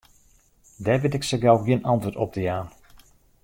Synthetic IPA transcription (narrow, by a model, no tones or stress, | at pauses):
dɛʋɪtɪksəɡalˠɡiənɑntʋətɔ̰p̚d̥əjaːn